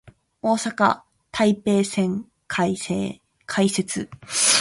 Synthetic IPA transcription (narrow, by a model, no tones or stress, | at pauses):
o̞ːsaka̰ | t̪ʰaipe̞ːsẽ̞ŋ | kʰaeː | kʰaise̞t͡sɨ